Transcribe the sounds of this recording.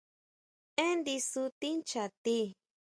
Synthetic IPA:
ẽ˦nd̪i˧su˧t̪i˦nt͡ʃa˨t̪i˦

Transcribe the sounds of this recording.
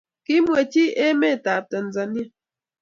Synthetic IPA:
ki˦mwe˨ti˦e˦me˦˨ta˨p̚tə˨n̩˨za˨njə˦

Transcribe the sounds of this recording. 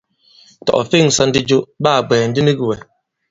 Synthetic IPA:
tɔ̰˨ʔfi˦˨ŋ˨sa˦n̩˦di˦d͡ʒo˦ʔba˦˨ɡ͡bɛː˨n̩˨˦di˦ni˦ɡi˨wɛ˨

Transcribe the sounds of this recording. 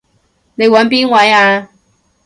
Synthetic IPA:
ne˨˧jwɐ˨˧˥npiː˥nwɐ˨˥jaː˧

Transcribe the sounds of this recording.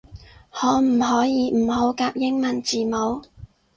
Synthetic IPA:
hɔː˨˥m̩˨˩ɦɔː˨˥jiː˨˧m̩˨˩ho˨˥wkaː˧p̚jɪ˥ŋmɐ˨˩nt͡siː˨˩mo˨˧w

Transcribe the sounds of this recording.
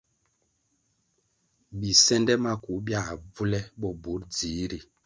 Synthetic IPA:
bi˨sɛ˦ndɛ˦ma˦ku˨˦bja˦˨vu˦lɛ˦ɓɔ˦bu˨˦ɾd͡zi˨˦ɾi˦˨

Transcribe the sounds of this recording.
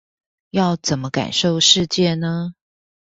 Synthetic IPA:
jɑ˥˩ʊt͡sə˨˩nmə˦ka̰˨˩nʂo˥˧ʊʂɻ̩˥˧t͡ɕjɛ˥˩nə˦

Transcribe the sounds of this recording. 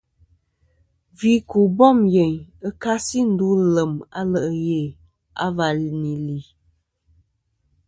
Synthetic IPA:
vi˨˦ku˨bɔ˦˨mje˨ɲə˦ka˦si˦n̩˦du˦lə˨ma̰˦lə˨ʔə˨je˨ | a̰˦va˨ni˨li˨

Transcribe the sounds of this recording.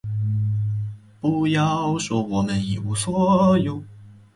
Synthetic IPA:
pu˧jɑ˧ʊʂwɔ˧˥˩wɔ˨˩mə˦ni˨˩u˧swɔ˧˦jo˧˦ʊ

